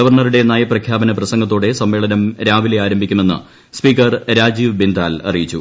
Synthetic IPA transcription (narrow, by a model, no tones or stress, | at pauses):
ɐʋɐrɳɐruɽe̞nːaːjɐprɐkʰjaːbɐnɐprɐsɐŋɡɐt̪ːo̞ːɽe̞sɐmʋe̞ːɭɐnɐmɾaːʋileaːɾɐmbʱikʲːume̞nːɨ̰ | spiːkːɐrɾaːd͡ʑiːʋbind̪aːlɐ̰rijit͡ɕːu